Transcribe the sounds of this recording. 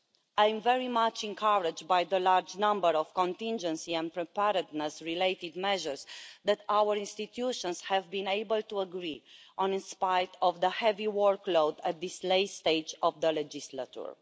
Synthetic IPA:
aj̃mvɛɹimat͡ʃɛ̃ŋkʰaɹɪd͡ʒd̚bajðəlaɹd͡ʒnãmbəɾɔv̥kɔ̃nt̪ĩnd͡ʒə̃nsiɛ̃npɹɛpɛɾəd̪nɛsɹileɪt̪id̪mɛʒəɹsðæt̪awəɹĩnst̪it̪ʰjuʃɔ̃nshɛvbĩnejbəlt̪uəɡɾiʔɔ̃nĩnspajdɔvðəhɛviwɔɹklowd̪æt̪̚d̪isleɪst̪eɪd͡ʒɔvd̪əlɛd͡ʒisla̰t͡ʃṵɹ

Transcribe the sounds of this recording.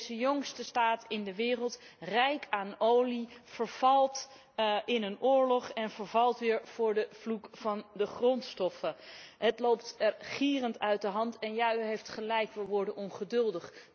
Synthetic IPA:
zəjɔŋstəstaːtɪndəʋɪːrəlˠtrɛjkʰaːnowliv̥əɹv̥ɑlˠt | ɪnənʊːɹlɔχɛnvəɹvɑlˠtʋɪːɹv̥ʊːɹdəv̥lukfɑndəχrɔntstɔfəɦətlowptɛɹχiːrəntœɥt̚dəɦɑntɛnjayɦejftχəlɛjkʋɪlˠʋɔɹdənɔnχədɵlˠdəχ

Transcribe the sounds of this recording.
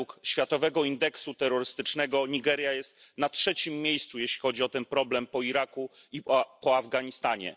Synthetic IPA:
ukɕfʲjat̪ɔvɛɡɔind̪ɛksut̪ɛɾːɔɾɘst̪ɘt͡ʂnɛɡɔɲiɡɛɾjajɛst̪ | natʂɛt͡ɕimːʲjejst̪sujeɕlʲi̥xɔd͡ʑiɔt̪ɛnpɾɔblɛmpɔiɾaku | ipɔavɡaɲist̪aɲɛ̰

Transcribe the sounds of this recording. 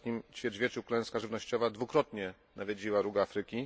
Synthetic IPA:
ɲimt͡ɕfʲjɛʐvʲɛt͡ʂuklɛ̃w̃skaʐɘvnɔɕt͡ɕɔvad̪vukɾɔt̪ɲɛ | navʲjed͡ʑiwaɾuɡafɾɘkʲi

